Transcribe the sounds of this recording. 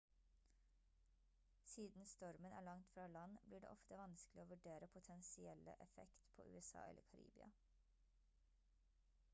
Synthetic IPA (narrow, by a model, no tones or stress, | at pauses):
siːd̪n̩st̪ɔɾmənʔæ̰ːɭɑŋt̪fɾɑːlɑnbliːɖḛːʔɔft̪əʋɑnsklɪoːʋʉɖeːɾəpʰʊt̪ʰɛnsɪɛlə̰ʔɛfɛ̰kt̪pʰo̰ːʔʉ̰ːɛsɑ̰ːʔɛ̰ləɾkʰɑɾḭːbɪɑ̰